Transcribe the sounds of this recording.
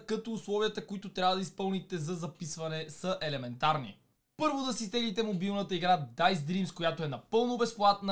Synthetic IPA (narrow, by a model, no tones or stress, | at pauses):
kɐt̪oːslˠɔviət̪əkoit̪ot̪ɾʲavəd̪ɐispɤlˠnit̪ɛzɐzɐpisvɐnɛsɐʔɛlɛmɛnt̪aɾnḭ | pɤɾvod̪ɐsist̪ɛɡlit̪ɛmobilˠnət̪əiɡɾad̪ajsd̪ɾimskojat̪oɛnɐpɤlˠnobɛsplˠat̪n